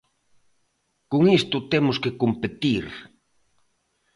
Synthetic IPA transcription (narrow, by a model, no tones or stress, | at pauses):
koŋist̪ʊt̪emʊskekompet̪iɾ